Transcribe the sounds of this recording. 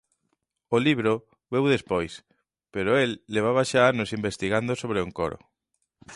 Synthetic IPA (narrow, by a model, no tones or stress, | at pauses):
ʊliβɾo | βewðespojs | peɾoelːeβ̞aβaʃaanosimbest̪iɣand̪osoβ̞ɾeuŋko̰ɾo̰